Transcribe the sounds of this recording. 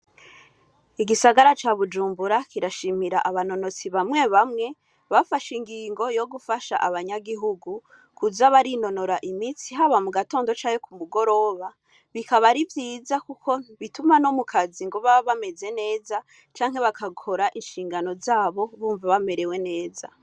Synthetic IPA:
iɡisaɡaɾat͡ʃaβud͡ʒuːmbuɾakiɾaʃimiɾaʔaβano̞no̞t͡siβamŋe̞βamŋe̞ | βafaʃiŋɡiːŋɡo̞jo̞ɡufaʃa̰ʔaβaɲaɡiɦuɡu | kuzaβaɾino̞no̞ɾaʔimit͡siɦaβamuɡato̞ːndo̞t͡ʃaːŋekumuɡo̞ɾo̞ːβa | βikaβaɾivjiːzakukʰo̞βitumano̞mukʰaziŋɡo̞βaβame̞ze̞ne̞ːza | t͡ʃaːŋ̥e̞βakʰakʰo̞ɾaʔinʃiːŋɡano̞zaːβo̞βuːɱvaβame̞ɾe̞we̞ne̞ːza̰

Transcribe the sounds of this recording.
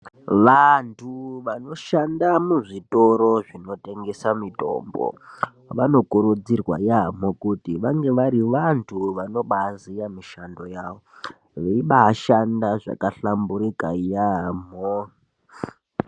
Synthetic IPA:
ʋantʰuʋano̞ʃandamuʐitoɾoʐino̞te̞ŋɡesamito̰ːmbo̰ | ʋano̞kuɾud͡zirwa̰jam̤okutiʋaŋɡe̞ʋaɾiʋantʰuʋano̞ɓaːzijamiʃando̞jaːʋo̞ | ʋeiɓaːʃandaʐa̰kaɬambuɾikajam̤o

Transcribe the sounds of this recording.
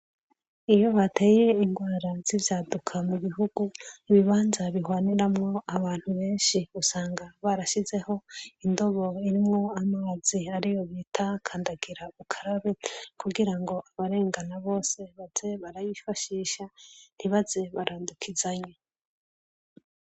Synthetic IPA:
ijo̞βatʰe̞ːje̞iŋɡwaːɾaz̥ivjaːdukʰamuβiɦuɡuiβiβaːnzaβihwaːniɾamŋo̞aβaːn̥huβe̞ːnʃiusaːŋɡaβaɾaʃize̞ho̞indo̞βo̞iɾimŋo̞amaːz̥iaɾijo̞βiːtʰakʰaːndaɡiɾaukʰaɾaβekuɡiɾaŋɡo̞ʔaβaɾe̞ːŋɡanaβo̞ːse̞βaz̥e̞βaɾajifaʃiːʃan̥iβaze̞βaɾʔaːndukʰizaɲe

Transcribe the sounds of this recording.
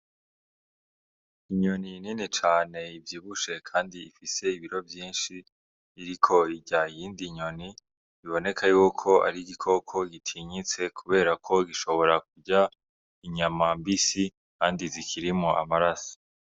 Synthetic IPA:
iɲo̞nininit͡ʃaːne̞ivjiːβuʃe̞kʰaːndiifise̞iβiɾo̞vjiːnʃiː | ɾikʰo̞iɟaijiːndiɲo̞ni | iβo̞ne̞kʰajukʰo̞a̰ɾiɡikʰo̞kʰo̞ɡitʰiɲit͡se̞kʰuβe̞ːɾakʰo̞ɡiʃo̞βo̞ɾak̚uɟa | iɲamambisi | kaːndizikʰiɾimoʔa̰maɾaso̥

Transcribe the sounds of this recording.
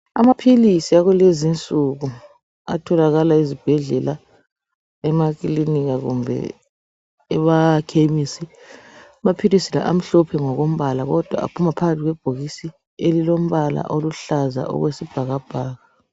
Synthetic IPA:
amapʰilisiaɣulezint͡sʼuɣu | a̰tʰɔlaɣalaizib̥ʱɛɮɛla | ɛmakiliniɣaɣṵmbʱɛ̰ | ɛβakʰemiːsi | amapʰilisila̰ʔam̩ɬɔpʰɛŋɔɣom̩βalaɣɔd̥ʱwa̰a̰pʰumapʰaɣatʰiɣwɛb̥ʱoɣisi | elilom̩βala̰ʔoluɬaza̰ʔɔ̰ɣwesib̥ʱaɣab̥ʱaːɣa

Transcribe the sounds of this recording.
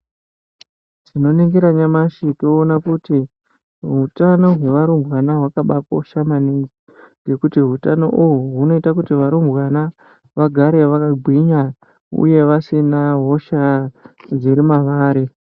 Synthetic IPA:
ʐino̞niŋɡiɾaɲamaʃitoːnakuti | ɦutano̞ɦwe̞ʋaɾumbwanaɦwakaɓako̰ʃamaniŋɡi | ŋɡe̞kutiɦutano̞̰ʔuɦuɦuno̞itakutiʋaɾumbwana | ʋaɡʱaɾe̞ʋakaɡʱwiɲa | ṵje̞ʋasinaɦo̞ʃa | d͡ziɾimaʋaːɾe

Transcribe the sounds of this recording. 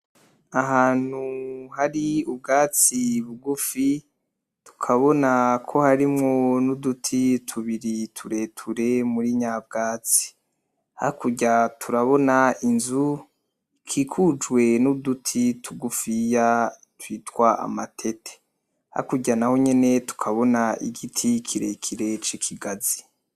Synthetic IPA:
aɦaːn̥huhaɾiub̚ɡaːt͡siβuɡufi | tu̥kʰaβo̞nakʰo̞haɾimŋonudutʰitʰuβiɾitʰuɾe̞tʰuɾe̞muɾiɲab̚ɡaːt͡si̥ | ha̰kuɟatʰuɾaβo̞nainzu | kʰikʰud͡ʒwe̞nudutʰitʰuɡufija | twiːtwaʔa̰matʰe̞tʰe̥ | ha̰kuɟanaho̞ɲe̞ne̞tu̥kʰaβo̞naḭɡitʰikʰiɾekʰiɾe̞t͡ʃikʰiɡazi

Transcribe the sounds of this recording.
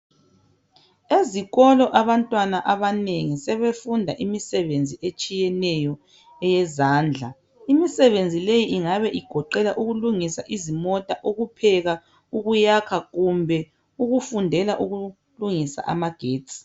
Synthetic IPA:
eziɣɔlɔʔaβantʼwanaʔaβaneŋisɛβefundʱaʔimisɛβend͡zʱiet͡ʃʼijɛnɛjɔ | ɛjɛzaːnd͡ɮʱa̰ | imisɛβend͡zʱilejiʔiŋaβɛʔiɡ̥ʱɔǃɛlaʔuɣuluŋisaʔizimɔtʼaʔoɣupʰɛɣa | uɣujakʰaɣumbʱɛ | uɣufundʱɛlaʔuɣu | luŋisa̰ʔamaɡ̥ʱeːtsʼi̥

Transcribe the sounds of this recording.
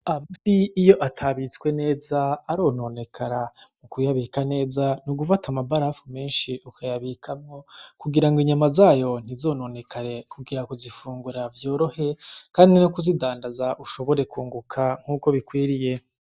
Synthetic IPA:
amziːjo̞ʔatʰaβit͡skwe̞ne̞ːzaːɾo̞ːno̞ːne̞kʰaɾamukujaβikane̞ːzanuɡufatʰamabaɾafume̞ːnʃiʔukʰajaβikʰamŋo̞kuɡiɾaŋɡwiɲamazaːjo̞n̥izo̞ːno̞ːne̞kʰaɾe̞kuɡiɾakuzifuːŋɡuɾavjo̞ːɾo̞he̞kaːndinukuzidaːndazaʔuʃo̞βo̞ɾe̞kuːŋɡukʰaŋ̥uːko̞βikwiːɾije̞

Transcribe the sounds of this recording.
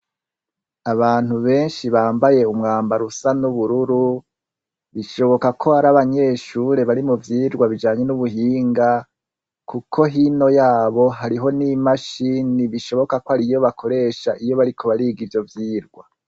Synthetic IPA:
aβaːn̥uβe̞ːnʃiβaːmbaje̞umŋaːmbaɾusanuβuɾuɾu | βiʃo̞βo̞kakʰo̞haɾaβaɲe̞ːʃuɾe̞βaɾimuvjiːɾɡwaβid͡ʒaːɲe̞nuβuɦiːŋɡa | kukʰo̞ɦino̞jaːβo̞ɦaɾiɦo̞nimaʃiniβiʃo̞βo̞kakohaɾijo̞βakʰo̞ɾe̞ːʃaʔijo̞βaɾikʰo̞βaɾiːɡivjo̞vjiːɾɡwa

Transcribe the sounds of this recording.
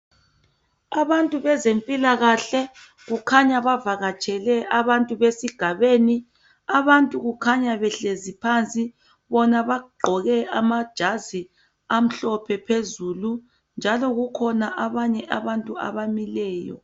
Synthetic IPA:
aβantʼuβɛzempʼilaɣaɬɛ | ɣukʰaɲaβavaɣat͡ʃʼʰɛlɛʔaβantʼuβesiɡ̥ʱaβeːni | aβantʼuɣukʰaɲaβɛɬezipʰant͡sʼi | βɔnaβaɡ͡ǃʱɔɣɛamad̥ʒ̥ʱazi | am̩ɬɔpʰɛpʰezuːlu | nd͡ʒʱalɔɣukʰɔnaʔaβaɲɛʔaβantʼua̰βamilɛːjɔ̰

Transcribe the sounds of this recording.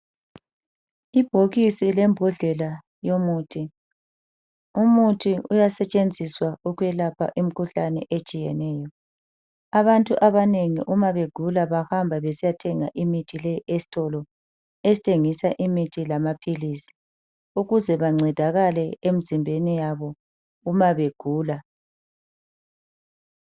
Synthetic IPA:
ib̥ʱoɣisilɛmbʱɔɮɛla | jomuːtʰi | umutʰiujasɛt͡ʃʼend͡zʱiswauɣwɛlapʰa̰ʔim̩kʰuɬanɛʔet͡ʃʼijɛnɛːjɔ | aβantʼuʔaβaneŋḭʔumaβeɡ̥ʱulaβahambʱaβesijatʰɛŋa̰ʔimitʰilejiʔesi̥tʰʼɔlɔ | esitʰeŋisaʔimitʰilamapʰilisi̥ | uɣuzɛβaŋ͡ǀʱɛd̥ʱaɣalɛem̩zimbʱenijaβɔ | umaβeɡ̥ʱuːla

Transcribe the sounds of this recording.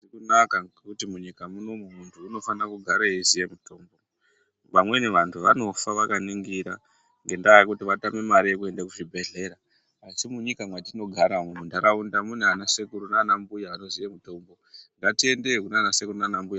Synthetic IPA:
ikunakaekutimuɲikamuno̞mumuntʰuːno̞fanakuɡʱaɾeezijemuto̞ːmbo̞ | ʋamwe̞neʋantʰuʋano̞faʋakaniŋɡiɾa | ŋɡe̞ndaːjikutiʋatamemaɾijekue̞ndakuʐibʱe̞ɮe̞ɾa | asimuɲikamwatino̞ɡʱaɾamemundʱaɾaundamunanasekuɾunaːnambujaanozijemuto̞mbo̞ŋɡatiendekunanasekurunanambuja

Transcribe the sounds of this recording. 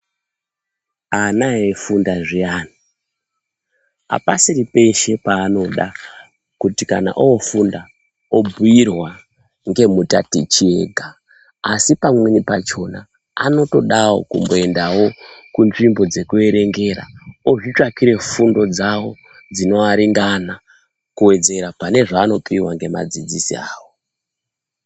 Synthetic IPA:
anaefundaʐiaːna | ɦa̰pasiripe̞ʃe̞paːno̞ɗa | kutikana̰ʔoofunda | obʱujirwa | ŋɡe̞muta̰tit͡ʃie̞̰ːɡʱaː | sipamwenipat͡ʃo̞na | ano̞to̞ɗawo̞̰kumbo̞e̞ndawo̞kunʐimbo̞d͡ze̞kue̞ɾe̞ŋɡe̞ɾa̰oʐit͡ʂakiɾe̞fundo̞d͡zawo̞ | d͡zino̞aɾiŋɡana | kuwe̞d͡ze̞ɾapane̞ʐaːno̞piwaŋɡe̞ma̰d͡zid͡zisḭaːwo̞

